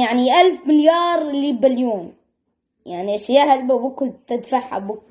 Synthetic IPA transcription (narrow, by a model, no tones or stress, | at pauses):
jaʕniʔalfmɪljɑːɾˤlːibɪljoːm | jaʕniaʃjahalbabʊkʊlb̚t̪ad̪faħa̰bʊk